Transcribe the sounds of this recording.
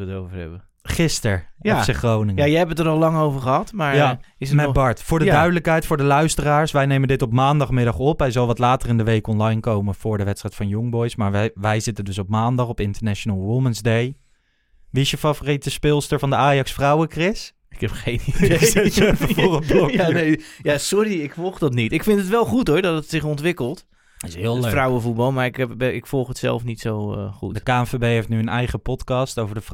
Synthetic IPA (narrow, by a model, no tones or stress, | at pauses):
ətowvəɹɛ̰bə | χɪstəɹɔsɛχrownɪŋəjjəɛpətəɾɑlˠlɑŋowvəɹχəɦɑtmaːɹja | ɪsəmɛbɑɹtfʊːɹdədœɥdələkɦɛjtfʊːɹdəlœɥstəraːɹsʋɛjnejməndɪtɔpmaːndɑχmɪdɑχɔpɦɛjzɑlˠʋɑtlaːtərɪndəʋejkɔnlɑjnkowməv̥ʊːɹdəʋɛtstrɛjtfɑnjʊŋbɔjsmaːɹʋɛʋɛjzɪtəndɵsɔpmaːndɑχɔpɪntəɹnɛʃonalˠʋʊmənzdej | ʋiɪsjəfavoritəspɪlˠstəɹvɑndəaːjɑksfrawəkrɪs | ɪ̥khɛpχejnideɛfəforəbɔanejjasɔɾiɪkfɔlˠχdɔtnitɪkfɪntətʋɛlˠχutoɹdɔtətsɪχɔntʋɪkəlˠt | ɪsɪːlˠfrawəvut̚bɑlˠmaɹɪkɛbɛɪkfɔlˠχətsɛ̰lˠfnitsowχutdəkaːfebejejftnyənɛjχəpɔtkɑstowvəɹdə